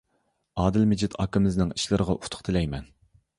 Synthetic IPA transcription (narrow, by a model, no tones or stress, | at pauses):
ɑːd̪ɨlmɪd͡ʒɪt̪ʰɑ̰ːkɪmɪznɪŋi̥ʃlˠɨɾəʁɑʔut̪ʰʊ̥qt̪ʰɪlɛjmɛn